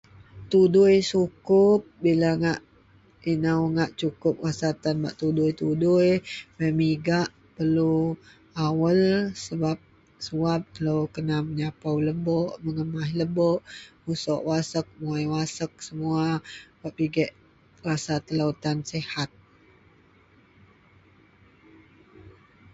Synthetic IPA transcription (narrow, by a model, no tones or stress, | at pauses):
t̪udʊjsukʊp̚bilaŋaʔ | inawŋaʔt͡ʃukʊp̚wasat̪anba̰ʔt̪udʊjt̪udʊjməmiɡaʔ | pərlu | awəlsəbap̚ | suap̚t̪əlowkənaməɲapawləbɔʔməŋəmaɦləbɔʔmusɔʔwasək̚muajwasək̚səmuabaʔiɡɛʔ | ɾasat̪ələwt̪ansɛhat̪̚